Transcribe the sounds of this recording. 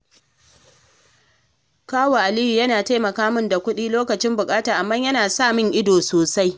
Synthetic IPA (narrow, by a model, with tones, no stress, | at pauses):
kaː˦waː˨ʔa˨liː˦hi˨jɐ˦naː˨ta˦jmɐ˨kaː˦mʊ˦nda˨kʷʊ˦ɗiː˦loː˦kɐ˨t͡ʃɪ˦mbʊ˨kʼaː˦taː˨ʔa˨mːɐ˦jɐ˦naː˨saː˦˨mɪ˦ŋʔɪ˦doː˨soː˨sa˦j